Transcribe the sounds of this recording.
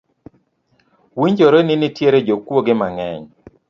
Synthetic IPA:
wiɲd͡ʒoɾenɪnɪtjeɾed͡ʒokwoɡɪmaŋɛɲ

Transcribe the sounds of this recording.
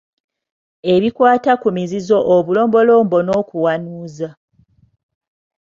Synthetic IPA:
e̞βikwaːtakumizizo̞ʔoβulo̞ːmbo̞lo̞ːmbo̞no̞ːkuwanuːza

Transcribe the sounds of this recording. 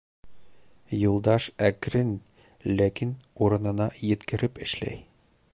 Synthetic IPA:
julˠd̪ɑʃækɾɘn | lækinuɾɤ̆nɤ̆nɑjɘ̆t̪kɘ̆ɾɘpɘ̆ʃlæ̰j

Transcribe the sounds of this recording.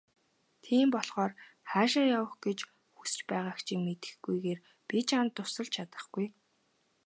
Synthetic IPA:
t̪ʰiːmpɔɮʁɔːrχaːʃaːjawə̆χɡ̥et͡ɕ | xusɘ̥̆t͡ɕpæːʁaːkt͡ɕʰiŋmet̪ɘ̥̆xɡujɣeːr | pit͡ɕant̪ːʊsə̆ɮt͡ɕʰat̪ə̥̆χɡ̥uj

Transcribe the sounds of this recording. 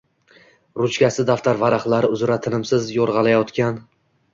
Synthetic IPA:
ɾʊt͡ʃkʲasɪd̪aft̪ʰaɾvaɾaχlˠaɾɪʊzɾat̪ʰɪnɪmsɪzjɒɾʁɑlˠajɒt̪kʲan

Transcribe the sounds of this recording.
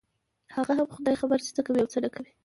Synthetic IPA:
haɣaɦamxʊd̪ɑjxabəɾsə̥t͡s̪akawiawt͡səɖakawi

